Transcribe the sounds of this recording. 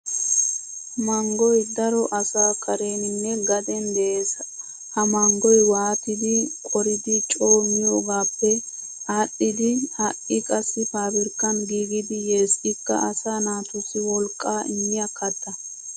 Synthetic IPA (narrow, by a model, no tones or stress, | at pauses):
mɐŋɡɔjd̪ɐɾɔʔɐsaːkʰɐɾe̞ːnɪnːɛɡɐd̪ɛnd̪ɛʔeːs | hɐmɐŋɡɔjwaːt̪ɪd̪ɪkʼɔɾɪd̪ɪt͡ʃʼo̞ːmːɪjoːɡaːpːɛ | aɗːɪd̪ɪaʔɪkʼɐsːɪfaːbɪɾkːɐnɡiːɡɪd̪ɪjeːsɪkːɐ̰ʔɐsaːnaːt̪ʊsɪwɔlkʼːaːɪ̰ɲːɪjɐkːɐt̪ːɐ